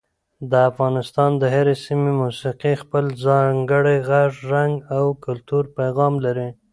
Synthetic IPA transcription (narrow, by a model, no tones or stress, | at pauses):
d̪əafɣɑnɪst̪ɑnd̪əɦaɾesimemusiqixpəlzɑŋɡəɽajɣaʐːaŋɡawkʊlt̪uɾpajɣɑmlaɾi